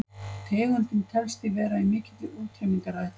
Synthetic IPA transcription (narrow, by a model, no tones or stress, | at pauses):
t̪ʰeːɣʏnt̪ɪnt̪ʰɛlst̪ɪvɛːɾaimɪːcɪt̪lɪʔuːt̪ʰejmiŋkaɾaj